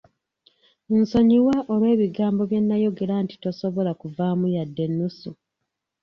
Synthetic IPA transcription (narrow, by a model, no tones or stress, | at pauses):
n̩so̞ɲiwaʔoβwe̞ːβiɡaːmbo̞βje̞nːajo̞ɡe̞ɾanti̥to̞so̞βo̞lakuvamujadːe̞nːusu